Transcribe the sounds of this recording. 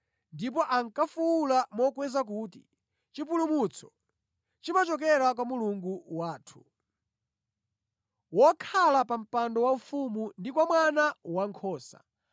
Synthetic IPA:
ndip̬ɔʔaŋkafuwulamɔkwɛzak̬uːti̥̰ | t͡ʃip̬ulumut͡sʰɔ̥ | t͡ʃimat͡ʃɔk̬ɛɾak̬wamuluŋɡuwaːtʰu̥ | wɔkʰalapam̩pandɔwaufumundikwamwanawaŋkʰɔːsa̰

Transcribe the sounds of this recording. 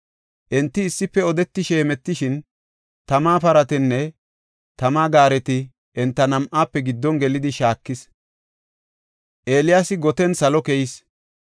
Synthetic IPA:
ʔɛnt̪ːɪːsːɪpːɛɔd̪ɛt̪ːɪʃeːmɛt̪ːɪʃɪn | t̪ɐmaːpɐɾɐt̪ɛnːɛ | t̪ɐmaːɡaːɾɛt̪ɪ | ʔɛnt̪ːɐnɐmʔaːpːɛɡɪd̪ːɔnɡɛlɪd̪ɪʃaːkːɪs | ʔe̞ːlɪjaːsɪɡɔt̪ɛnsɐlɔkɛjɪs

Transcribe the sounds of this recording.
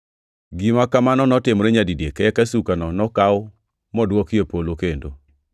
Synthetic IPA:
ɡimakamanɔnɔtɪmɾeɲadidjekɛɛkasukanɔnɔkaʊ | mɔdwɔkjepolokendo

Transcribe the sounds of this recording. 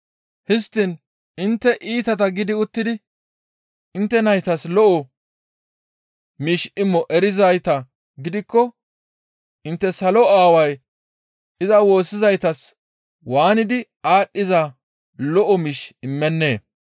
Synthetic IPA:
hɪst̪ːɪn | ɪnt̪ːɛʔiːt̪ɐt̪ɐɡɪd̪ɪʊt̪ːɪd̪ɪ | ɪnt̪ːɛnɐjt̪ɐslɔʔɔ | miːʃɪmːɔʔɛɾɪzɐjt̪ɐ | ɡɪd̪ɪkːɔ | ʔɪnt̪ːɛsɐlɔaːwɐj | ɪzɐwo̞ːsːɪzɐjt̪ɐs | waːnɪd̪ɪʔaːɗːɪza | lɔʔɔmiːʃɪmːɛnːe̞ː

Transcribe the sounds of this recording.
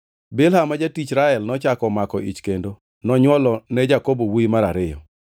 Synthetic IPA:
bɪlhamːad͡ʒatit͡ʃɾaɛlnɔt͡ʃakɔmakɔʔḭt͡ʃkendo | nɔɲwɔlɔnɛd͡ʒakobowimaɾa̰ɾɪjɔ̰

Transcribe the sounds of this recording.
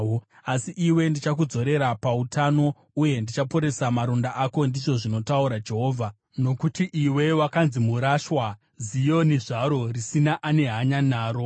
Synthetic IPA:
asiʔiwe̞ndit͡ʃakud͡zo̞ɾe̞ɾapautano̞ | uje̞ndit͡ʃapoɾe̞samaɾondaʔako̞ndiʐo̞ʐino̞tauɾad͡ʒe̞ɦoːvʱa | no̞kutiʔiwe̞wakanzimuɾaʃwa | zijo̞niʐaɾo̞risinaʔane̞ɦaɲanaːɾo̞

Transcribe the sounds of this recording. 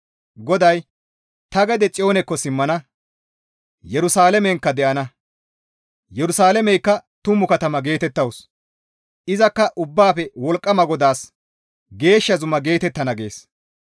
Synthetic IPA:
ɡɔd̪ɐj | t̪ɐɡɛd̪ɛt͡sʼɪo̞ːnɛkːɔsɪmːɐnɐ | jɛɾʊsaːlɛmɛŋkːɐd̪ɛʔɐnɐ | jɛɾʊsaːlɛmɛjkːɐt̪ʊmːʊkɐt̪ɐmɐɡe̞ːt̪ɛt̪ːɐws | ɪzɐkːɐʔʊbːaːpɛwɔlkʼːɐmɐɡɔd̪aːs | ɡe̞ːʃːɐzʊmɐɡe̞ːt̪ɛt̪ːɐnɐɡe̞̰ːs

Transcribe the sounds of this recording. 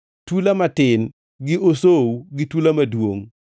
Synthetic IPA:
tulamatɪn | ɡɪʔosowɡɪtulamadwoŋ

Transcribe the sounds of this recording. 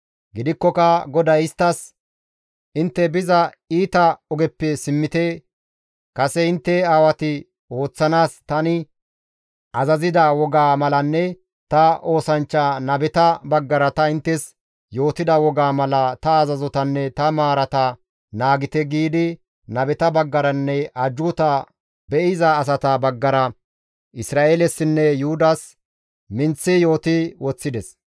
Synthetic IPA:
ɡɪd̪ɪkːɔkɐɡɔd̪ɐjɪst̪ːɐs | ʔɪnt̪ːɛbɪzɐ | iːt̪ɐɔɡɛpːɛsɪmːɪt̪ɛ | kɐsɛɪnt̪ːɛaːwɐt̪ɪ | o̞ːt͡sːɐnaːst̪ɐnɪ | ʔɐzɐzɪd̪ɐwɔɡaːmɐlɐnːɛ | t̪ɐo̞ːsɐnt͡ʃːaːnɐbɛt̪ɐbɐɡːɐɾɐt̪ɐɪnt̪ːɛs | jo̞ːt̪ɪd̪ɐwɔɡaːmɐlɐt̪ɐːzɐzɔt̪ɐnːɛt̪ɐmaːɾɐt̪ɐ | naːɡɪt̪ɛɡiːd̪ɪ | nɐbɛt̪ɐbɐɡːɐɾɐnːɛɐd͡ʒʊt̪ɐ | bɛʔɪzaːs̬ɐt̪ɐbɐɡːɐɾɐ | ʔɪsɾaːʔeːlɛsːɪnːɛjʊhʊd̪ɐs | mɪnt͡sːɪjo̞ːt̪ɪwɔt͡sːɪd̪ɛs

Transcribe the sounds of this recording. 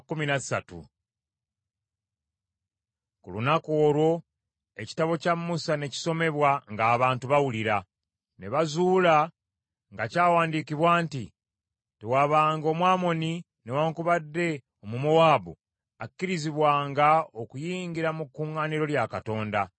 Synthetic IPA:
kuminasatṵ | kṵlunako̞ːlwo̞ | e̞ci̥taβo̞camːusane̞ci̥so̞me̞βwaŋɡaːβaːntuβawuliɾa | ne̞βazuːla | ŋɡacaːwaːndikiβwaːntḭ | tewaβaːŋɡo̞ːmwaːmo̞ni | ne̞waːŋkuβadːe̞ | o̞mumuwaːbṵ | akːiɾiziβwaːŋɡao̞kujiːŋɡiɾamukːuŋɡaniɾo̞ljakato̞ːnda

